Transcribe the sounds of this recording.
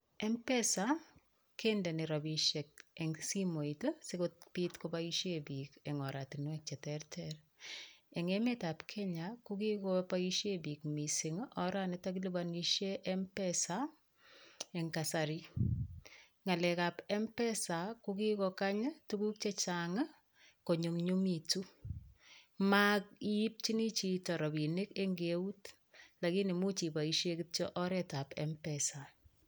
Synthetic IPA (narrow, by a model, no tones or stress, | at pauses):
ɛmpɛsa | kendɛniɾɔbiʃek̚ɛŋsimoitəsekotpitkopaiʃebikɛŋɔɾatinwɛk̚t͡ʃɛtɛrtʰɛr | ɛŋemetapkʰɛɲakukikɔpaiʃebikmisiŋʔɔɾanɪtak̬ilubaniʃjeʔɛmpɛsa | eŋkasaɾi | ŋalɛkapɛmpɛsakukikɔkaɲtukuk̚t͡ʃet͡ʃaŋa | koɲuŋɲumitu | mak̚ip̚t͡ʃinit͡ʃitɔɾɔbinɪkeŋɡewut | lakinimut͡ʃipaiʃjekit̚t͡ʃɔʔɔɾɛtapɛ̰mpɛsa